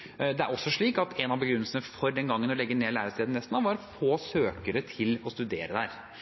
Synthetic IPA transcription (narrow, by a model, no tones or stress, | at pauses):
d̪ɛæ̰ɾɔsːɔʂɭiːkɑt̪ɛnɑʋbəɡɾʏnːəlsənəfɔɾd̪ɛnɡɑŋːənɔlɛɡːəneːlæːɾəst̪eːd̪n̩ɛst̪n̩ɑʋɑɾfoːsøːkəɾət̪ʰɪlɔst̪ʉd̪eːɾəd̪æːɾ